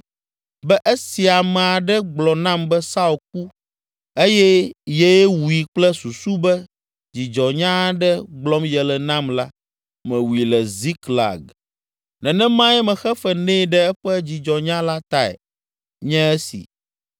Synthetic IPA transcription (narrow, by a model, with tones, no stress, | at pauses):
bɛ˦ʔe˦si˨a˨mɛ̃˨a˨ɖɛ˦ɡ͡blɔ˨nã˦mbɛ˦sa˦u˨k̚u˦ | e˦jɛ˦jɛ˦wu˨i˨k͡plɛ˦su˨su˦bɛ˦ | d͡ʑi˨d͡ʒɔ˨ɲã˦ɖɛ˦ɡ͡blɔ˦mjɛ˨lɛ˨nã˦mla˦ | mɛ̃˨wu˨i˨lɛ˨zi˦kla̰˨ɡ | nɛ̃˨nɛ̃˦mã˦jɛ˦mɛ̃˨xɛ˦fɛ˦nɛ̃˦˨ɖɛ˦ɛ˦ɸɛ˦d͡ʑi˨d͡ʒɔ˨ɲã˦la˦t̪a˦˨ɛ̰˨ | ɲɛ̃˦ɛ˦sḭ˨